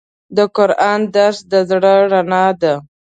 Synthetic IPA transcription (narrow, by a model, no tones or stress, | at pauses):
d̪əkʊɾɑnd̪aɾsd̪əzɽəɾanɑd̪a